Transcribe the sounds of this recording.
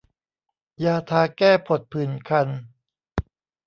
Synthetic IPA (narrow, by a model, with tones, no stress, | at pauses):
jaː˧t̪ʰaː˧kɛː˥˩pʰo˨˩t̪̚pʰɯː˨˩˦nkʰa˧n